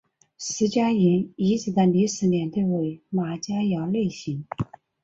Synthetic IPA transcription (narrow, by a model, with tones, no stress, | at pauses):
ʂɹ̩˧˥t͡ɕja˥i˧˥ni˧˥t͡sɹ̩˧˩d̪ə˥˧ni˧˥ʂɹ̩˧˥njɛ˧˥nt̪we˥˩ɪwe˧˥ɪma˨˩t͡ɕja˥jɑ˧˥le˥˩ɪɕi˧˥˦ŋ